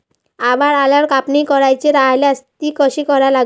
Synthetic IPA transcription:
abaɾalaɾkapnijkɔɾajt͡ɕeɾaleast̪ikɔʃikɔɾala

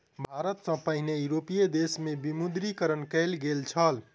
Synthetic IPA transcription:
bʱaɾət̪sə̃pəɦinejuɾopijed̪esmebimud̪ɾikəɾənkəlɡelt͡ʃʰəl

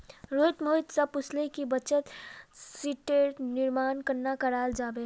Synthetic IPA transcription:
ɾoːɪt̪moɦɪt̪səbʊslekibət͡ʃət̪siʈeɾnɪɾmaːnkəɾnakəɾaːld͡ʒaːbe

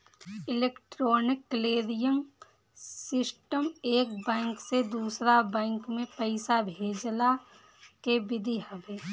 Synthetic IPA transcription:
ɪleːkʈɾoːnɪkːəleːɾijəm | sɪsʈəmeːk̚bɛ̃ːŋksed̪uːsɾabɛ̃ːŋkmẽpəɪsabʱeːd͡ʒla | keʋɪd̪ʱiɦəbeː

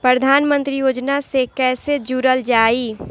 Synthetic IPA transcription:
pɾəd̪ʱaːnmə̃nt̪ɾijoːd͡ʒnasekɛːsed͡ʒuɾəld͡ʒaːiː

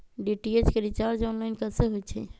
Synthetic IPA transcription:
ɖiʈiet͡ʃkeɾit͡ʃaɾd͡ʒɔnlaɪnkəseɦojt͡ʃʰɛ̰

